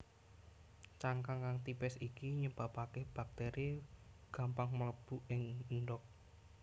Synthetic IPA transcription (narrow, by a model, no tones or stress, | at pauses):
t͡ʃaŋkaŋkaŋt̪ipɛsikiɲəb̥apakehb̥ak̚t̪ɛɾʔiɡ̥a̤mpaŋmələb̥uɪŋnɖɔk̚